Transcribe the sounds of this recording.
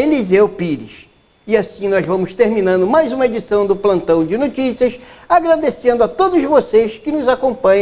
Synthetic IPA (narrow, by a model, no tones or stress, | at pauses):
elizewpiɾɪ̰s | ɪasĩnɔjzvɐ̃mʊst̪eɾmĩnɐ̃nd̪ʊmajzũmɐed͡ʒisɐ̃w̃d̪ʊplɐ̃nt̪ɐ̃w̃d͡ʒɪnot͡ʃisiɐsaɡɾad̪esẽnd̪ʊat̪od̪ʊzvoseskɪnʊzakõmpɐ̃ɲ̃